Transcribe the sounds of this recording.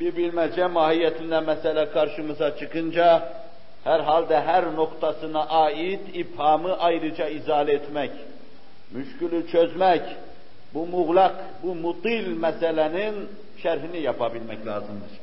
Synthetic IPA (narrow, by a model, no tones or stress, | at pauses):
biɾbilmæd͡ʒæmɑːhijɛt̪ʰind̪æmæsɛlækʰɑɾʃɯmɯzɑt͡ʃʰɯqɯnd͡ʒɑ | hæɾɦɑlˠd̪æɦæɾno̞qt̪ʰɑsɯnɑʔɑːid̪ifhɑmɯʔɑjɾɯd͡ʒɑizɑːlet̪ʰmæc | myʃcylyt͡ʃʰøzmæc | bumuɣlˠɑq | bumut̪ilmæsælænin | ʃæɾɦinijɑpʰɑbilmæclɑːzɯmd̪ɯɾ̥